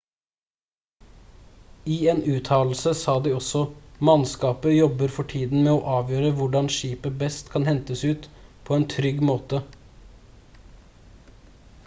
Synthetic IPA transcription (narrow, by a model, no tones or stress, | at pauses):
iːeːnʉːt̪ʰɑːl̩səsɑːd̪iːɔsɔmɑnskɑːpəjɔbəɾfɔʈʰiːd̪n̩meːoːʔɑːʋjøːɾəʋʊɖɑnʃiːpəbɛst̪kʰɑnhɛnt̪əsʉːt̪pʰɔːeːnt̪ʰɾʏɡmoːt̪ə